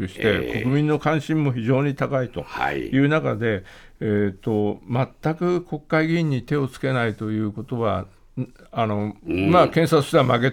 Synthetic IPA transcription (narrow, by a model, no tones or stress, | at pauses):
ɯɕi̥t̪e̞ko̞kɯ̟mʲĩnːo̞kãɕĩmːo̞çiʑo̞ːɲ̟it̪akait̪o̞jɯ̟ːnaka̰d̪e̞eːt̪ːo̞mat̪ːakɯ̟kʰo̞kːaiɡʲĩɲ̟ːit̪e̞o̞t͡sɨ̥ke̞nait̪o̞jɯ̟ːko̞t̪o̞βa | ano̞makẽɰ̃sat͡sɨ̥ɕt̪emake̞